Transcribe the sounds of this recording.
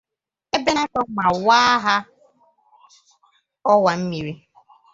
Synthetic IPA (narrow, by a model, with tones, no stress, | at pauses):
e˦be˦na˦kɔ˦ma˨waː˦ɦa˦ | ɔ˦wa˨m̩˦mi˨ɾi˦